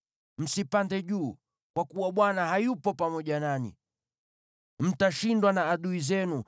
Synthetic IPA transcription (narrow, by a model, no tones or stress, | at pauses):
m̩sipandɛʄuː | kwakuwaɓwanaɦajupɔpamɔʄananḭ | m̩taʃindwanaːɗuizɛnu